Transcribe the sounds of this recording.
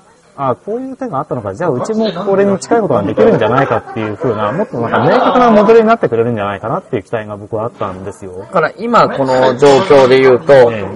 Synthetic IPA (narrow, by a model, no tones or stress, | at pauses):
ako̞ːjɯ̟ːt̪e̞ɡaːt̪ːano̞ɡad͡ʑaːɯ̟t͡ɕimo̞koɾe̞ɲ̟it͡ɕi̥kaiko̞t̪oɡad̪e̞kʲiɾɯ̟̃ɲ̟d͡ʑanaikat̪ːe̞jɯ̟ɸɯ̟ːnamo̞t̪ːonãŋkame̞ːkakɯ̟namo̞d̪e̞ɾɯ̟ɲinat̪ːekɯ̟ɾe̞ɾɯ̟̃ɲ̟d͡ʑanaikanat̪ːeiɯ̟kʲi̥t̪aiɡabo̞kɯ̟βaat̪ːãnd̪e̞sɨjo̞kaɾaʔimako̞no̞d͡ʑo̞ːkʲo̞ːd̪e̞jɯ̟ːt̪o̞eː